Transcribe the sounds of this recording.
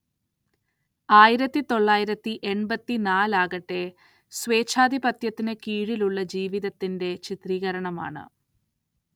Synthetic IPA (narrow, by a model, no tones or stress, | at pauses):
aːjiɾɐt̪ːit̪o̞ɭːaːjiɾɐt̪ːiʔe̞ɳbɐt̪ːinaːlaːɣɐʈːe̞ | sʋe̞ːt͡ɕʰaːd̪ʱibɐt̪jɐt̪ːinɨkiːɻiluɭːɐd͡ʑiːʋiðɐt̪ːinde̞t͡ɕit̪riːɣɐɾɐɳɐma̰ːɳɨ̰